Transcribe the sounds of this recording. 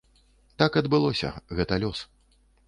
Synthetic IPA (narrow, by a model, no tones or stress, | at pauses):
t̪akɐd̪bɨlˠɔsʲɐ̰ɣɛt̪ɐlʲɔs